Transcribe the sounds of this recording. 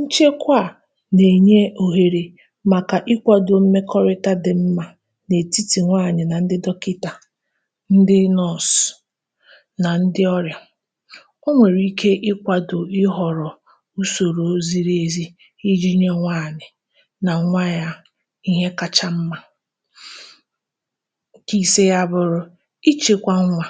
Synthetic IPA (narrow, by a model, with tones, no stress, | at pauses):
n̩˦t͡ʃe˦kʷa˦˨ | ne˨ɲe˦o˨ɦe˨ɾe˨ | ma˨ka˨ʔɪ˦kʷa˨do˨m̩˦me˦kɔ˦ɾɪ˦ta˦dɪ˨m̩˦ma˦ | ne˨ti˦ti˨ŋʷaː˦˨ɲɪ˨na˨n̩˦dɪ˦dɔ˦kɪ˦ta˨ | n̩˦dɪ˦nɔ˦˨s | na˨n̩˦dɪ˦ɔ˦ɾja˨ | o˦ŋʷe˨ɾi˦kʰe˦ʔɪ˦kʷa˨dʊ˨ɪ˦ɦɔ˨ɾɔ˨ | u˦so˨ɾo˨o˦zi˦ɾe˦˨zi˦ | i˦d͡ʒi˦ɲe˦ŋʷaː˦˨ɲɪ˨ | na˨ŋʷa˦ja˦ | i˦ɦe˦ka˨t͡ʃa˦m̩˦ma˦ | ki˨se˦ja˦bʊ˨ɾʊ˦ | i˦t͡ʃe˨kʷa˦ŋ̩˦ŋʷa˨